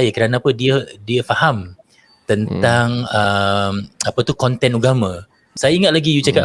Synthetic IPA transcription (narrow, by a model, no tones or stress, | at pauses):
jakəɾanaːpədiədiəfaham | t̪ənt̪aŋəmapət̪ukɔnt̪ɛnuɡamə̃ | sajaiŋat̪laɡijut͡ʃaka